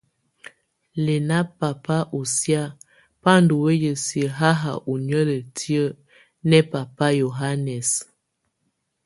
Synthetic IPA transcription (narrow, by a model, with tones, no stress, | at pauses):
le˨na˦pa˨pa˦ʔo˨sja˦ | pa˦ndo˨we˦jə˨si˨ə˨ɦa˦ɦa̰˨ʔu˨n˦ə˦lə˨tʰi˦ə˦ | nɛ˦pa˨pa˦jo˨ɦa˦nɛ˨s